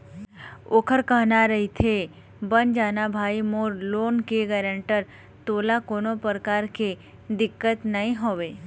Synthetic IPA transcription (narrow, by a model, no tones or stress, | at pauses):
oːkʰəɾkəɦnaɾəɦit̪ʰe | bənd͡ʒaːnabʱaːimoːɾloːnkeɡɛːɾə̃ɳʈəɾ | t̪oːlakoːnopəɾəkaɾke | d̪ɪkːət̪naĩɦoːʋe